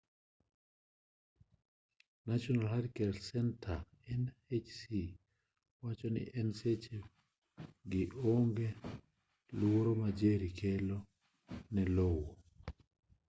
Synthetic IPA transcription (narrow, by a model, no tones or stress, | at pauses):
nat͡ʃɔnalɦaɾkɛlsɛntʰa | ɛnet͡ʃsi | wat͡ʃɔnɪ̰ʔɛnset͡ʃe | ɡɪʔoŋɡe | luoɾomad͡ʒeɾikʰelo | nɛlowo